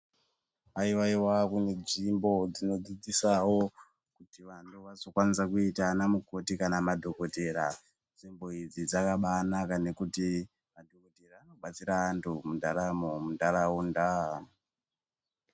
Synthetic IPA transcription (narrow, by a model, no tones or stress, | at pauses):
aiwaiwakune̞d͡zimbo̞d͡zino̞d͡zid͡zisawo̞ | kutiʋantuʋazokwanisakuitanamuko̞tikanamadʱo̞ko̞te̞ɾa | d͡zimbo̞id͡zid͡zakaɓaːnakane̞kuti | madʱoko̞te̞raːno̞ɓat͡siɾaːntʰumundʱaɾamomundaɾaunda